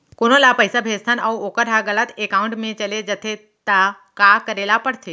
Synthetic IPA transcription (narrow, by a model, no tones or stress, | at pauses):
koɽ̃olapəjsabʱest̪ʰanawokəɾɦaɡəɭat̪ekauɳʈmẽt͡ɕəled͡ʒət̪ʰe | t̪a | kakəɾelapəɽt̪ʰe